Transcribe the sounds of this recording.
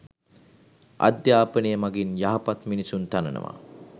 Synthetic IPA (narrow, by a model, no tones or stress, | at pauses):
a̰d̪jaːpənəjəmaɡinjaɦapat̪minisunt̪anənə̰ʋa̰